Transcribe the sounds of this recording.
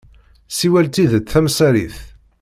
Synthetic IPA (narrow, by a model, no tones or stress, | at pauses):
siwælt̪iðθæmsæɾḭθ